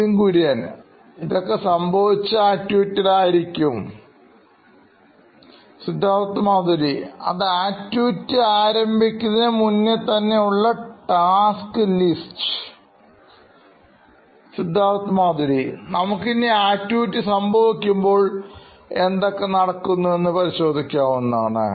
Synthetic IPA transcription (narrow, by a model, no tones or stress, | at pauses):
iŋkuɾijaːn | iðo̞kːe̞sɐmbʱɐʋit͡ɕːɨaːtjuːtːiɽaːjiɾikʲːum | sid̪ʱːaːʋɐt̪ːɨmaːðɐɾiɐ̰ðaːtːjuːtːɨaːɾɐmbʱikʲːunːemunːɨt̪ɐnːe̞uɭːɐʈaːskɨlistɨ̥ | sid̪ʱːaːʋɐt̪ːɨmaːd̪ɐɾinɐmukːineaːtjuːtːɨsɐmbʱɐʋikʲːumbo̞ːɭ | e̞nd̪o̞kːe̞nɐɽɐkːunːue̞nːɨpɐɾiɕo̞ːd̪ʱikʲːaːʋunːa̰ːɳɨ̰